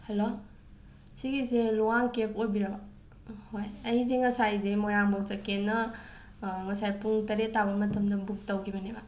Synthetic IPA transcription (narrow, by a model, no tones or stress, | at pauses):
hɐlo | siɡiseluwaŋkepʰojbiɾɐba | hojɐjizeŋɐsajzemojaŋbak̚sakenːɐ | ŋɐsajpuŋtɐɾetːabɐmɐtʰɐmdɐbuk̚tawkʰibɐneba